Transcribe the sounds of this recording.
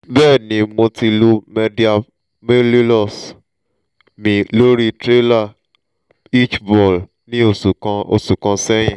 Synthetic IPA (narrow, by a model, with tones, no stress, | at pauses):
bɛː˦˨nĩ˨˦mo˧ti˧lu˧me˧di˨a˧ | me˦li˦lɔ˦˨s | mĩ˨lo˦ɾi˧tɾe˦la˦˨ | i˦t͡ʃbɔ˨l | nĩ˦o˦˨˧o˧˨su˨kã˧sɛ˦j̃ɛ̃˨